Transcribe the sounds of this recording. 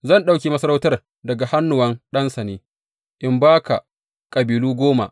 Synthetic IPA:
zɐ˦˨nɗa˦wkʲeː˨mɐ˦sɐ˦ɾa˦wtɐ˦r | dɐ˨ɡa˨ha˦nːʊ˨wɐ˦nɗɐ˦nsɐ˨neː˦ | ʔɪ˨mbaː˦kʰa̰˨ | kʼɐ˨biː˨luː˦ɡʷoː˦ma̰˨ʔ

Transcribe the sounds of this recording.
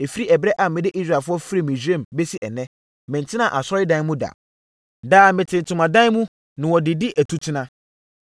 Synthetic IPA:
e˨fi˦ɾi˦ɛ˨bɾɛ˦ʔa˨mɪ̃˨dɪ˦ʔi˦sɾa˦˨fʊ˦ɔ˦fi˦ɾi˦˨mĩ˨sᶣẽ˦˨mbe˦si˦ʔɛ˨nɛ̃˦ | mɪ̃˨n˨tʰɪ̃˦nã˦˨ʔa˨sɔ˦ɾɪ˦dã˦mũ˦da̰˨ | daː˨mɪ̃˨tʰɪ̃˨n˨tʰʊ̃˨mã˨dã˦mũ˦ | nɪ̃˨wɔ˨dɪ˨dɪ˦ʔæ˨tʰu˦tʰɪ˦nã˦

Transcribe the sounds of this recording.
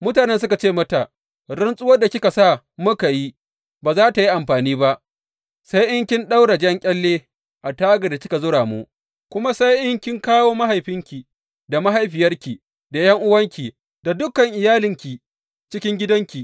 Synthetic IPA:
mʊ˦taː˨nɛ˦ns̬ʊ˦ka˨t͡ʃeː˦˨mɐ˦ta˨ | ɽɪ˦nsʼʊ˦wɐ˦da˨kʲɪ˦ka˨sa˦˨ | mʊ˦ka˨ji˦ | baː˨zaː˦ta˨ji˦ʔa˨mɸaː˨niː˦ba˦ʔ | sa˦jʔɪ˦ŋkʲɪ˦nɗa˦wɽa˨d͡ʒɐ˦ŋkʲʼɛ˦lːeː˦ | ʔa˨taː˦ɡa˨da˨kʲɪ˦ka˨zʊ˦ɽaː˨mu˦ʔ | kʷʊ˦ma˦sa˦jʔɪ˦ŋkʲɪ˦ŋkaː˦woː˦ma˦ɦa˨jɸɪ˦ŋkʲi˨ | da˨ma˦ɦa˨jɸɪ˨jɐ˦rkʲi˨ | da˨jɐ˦ŋʔʊ˦wɐ˦ŋkʲi˨ | da˨dʊ˦kɐ˨ŋʔɪ˨jaː˦lɪ˦ŋkʲi˨ | t͡ʃɪ˦kʲɪ˦ŋɡʲɪ˦dɐ˦ŋkʲi˨

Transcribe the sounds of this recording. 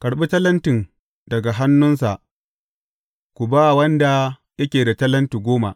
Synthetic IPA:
kɐ˨ɽɓi˦tɐ˦lɐ˦ntɪ˨ŋ | dɐ˨ɡa˨ɦa˦nːʊ˦nsa˨ʔ | kʷu˨baː˦˨wɐ˦nda˨ | jɐ˦kʲeː˨da˨tɐ˦lɐ˦nti˨ɡʷoː˦ma˨ʔ

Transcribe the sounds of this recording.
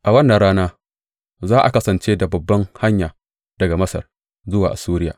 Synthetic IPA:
ʔa˨wɐ˦nːɐa˨ɽaː˦naː˦ | zaː˦ʔa̰˨kɐ˦sɐ˨nt͡ʃeː˦da˨bɐ˨bːɐ˦ŋha˦ɲjaː˨ | d̥ɐ˨ɡa˨mɐ˦sɐ̰˨r | zʊ˦waː˨ʔa˨suː˦ɾɪ˦ja̰ː˨

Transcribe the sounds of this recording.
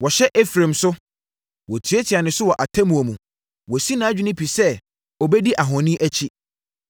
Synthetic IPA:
wɔ˨ɕɛ˦ʔɛ˦fɾẽ˨msʊ˦ | wɔ˨tʰi˨˦e˦tʰɪ˨a˨nɪ̃˨sʊ˦wɔ˨ʔa˨tʰɛ˦mũ˨o˨mũ˨ | wɔ˨si˦nã˨˦d͡ʑᶣi˨˦nɪ̃˦pʰi˨sɛ˦ | ɔ˨bɛ˦di˦ʔa˨ɦɔ̃˨nĩ˦ʔæ˦t͡ɕʰi˦

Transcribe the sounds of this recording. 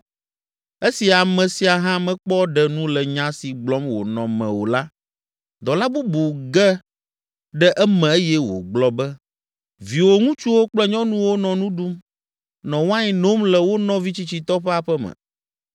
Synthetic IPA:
e˦si˨a˨mɛ̃˨si˨a˨ɦã˦mɛ̃˨k͡pɔ˦ɖɛ˦nũ˦lɛ˨ɲã˦si˨ɡ͡blɔ˦mwo̰˨nɔ̃˨mɛ̰̃˨wo˨la˦ | d̪ɔ˨la˦bu˦bu˨ɡɛ˦ | ɖɛ˦ʔɛ˦mɛ̃˨e˦jɛ˦wo̰˨ɡ͡blɔ˦bɛ˦ | vi˨wo˦ŋũ˦t͡ʃu˦wo˦k͡plɛ˦ɲɔ̃˦nũ˦wo˦nɔ̃˨nũ˦ɖu˦m | nɔ̃˨wã˦ɲi˨no˦mlɛ˨wo˦nɔ̃˦vi˦t͡ɕi˦t͡ɕi˨t̪ɔ˦ɸɛ˦a˨ɸɛ˦mɛ̰̃˨

